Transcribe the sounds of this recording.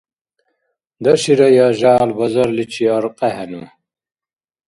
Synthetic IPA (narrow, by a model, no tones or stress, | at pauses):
d̪ɐɕiɾɐjaːʒaːlbɐzɐɾlit͡ɕʰiɐɾqʼɐhɐnṵ